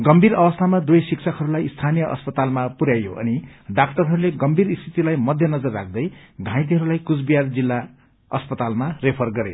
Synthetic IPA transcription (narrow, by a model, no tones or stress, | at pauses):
ɡʌmbʱiɾʌbʌst̪ʰamad̪ujsiksʰʌkʰɦʌɾulajist̪ʰanijʌʔʌ̰spʌt̪almapuɾjajoʔʌ̰niɖakʈʌrɦʌɾuleɡʌmbʱiɾist̪ʰit̪ilajmʌd̪ʱjʌnʌd͡zʌrːak̚ʰd̪ʌjɡʱãj̃t̪̬iɦʌɾulajkut͡sbijard͡zilːa | ʌ̰spʌt̪almarepʰʌrɡʌɾḛ